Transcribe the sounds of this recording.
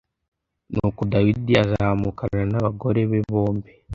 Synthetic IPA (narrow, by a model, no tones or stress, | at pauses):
nukodawidiazahamukananaβaɡo̞ɾe̞βeβo̞ːmbi